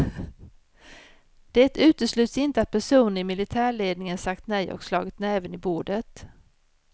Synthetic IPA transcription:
d̪̥ɛɛt̪ʉ̟ːt̪əʂlʉ̟ːt̪sɪnt̪əat̪̚pʰæʂuːnənɪmɪlɪt̪ʰæːɭeːd̪nɪŋənsakt̪nɛjʔɔ̰kslɑːɡɪt̪nɛːvənɪbuːɖət̪

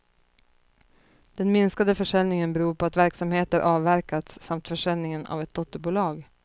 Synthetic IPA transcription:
d̪̥ɛnmɪnskad̪əfœʂɛlnɪŋənbɛɾuːɾpʰɔat̪væɾksamheːt̪əɾʔɑːvːæɾkat̪sːamt̪fœʂɛlnɪŋəna̰vɛt̪̚d̪ɔt̪ːəɾbuːlɑːɡ

